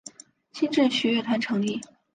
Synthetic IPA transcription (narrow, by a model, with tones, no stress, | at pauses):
t͡ɕʰi˥nʈ͡ʂə˥˩ɕɥɛ˧˥ɥɛ˥˩t̪ʰa˧˥nʈ͡ʂʰɤ˧˥ŋli˥˩